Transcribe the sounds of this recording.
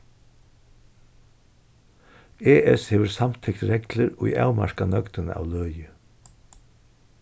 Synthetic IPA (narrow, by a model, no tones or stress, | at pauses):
eːʔɛsheːʋəɾsamt̪ʰɛkt̪ɾɛkləɾujʔa̰wma̰ɾkanœkt̪ənə̰ʔa̰wlœːjə